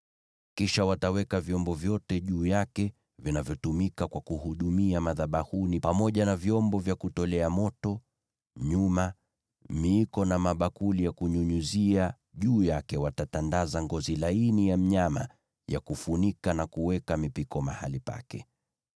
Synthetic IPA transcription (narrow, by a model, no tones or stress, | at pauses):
kiʃawatawɛkavjɔmbɔvjɔtɛʄuːjakɛ | vinavjɔtumikakwakuhuɗumiamaðaɓahunipamɔʄanavjɔmbɔvjakutɔlɛamɔtɔ | ɲuma | miːkɔnamaɓakulijakuɲuɲuzia | ʄuːjakɛwatatandazaŋɡɔzilainijam̩ɲama̰ | ja̰kufunikanakuwɛkamipikɔma̰halipa̰kɛ̰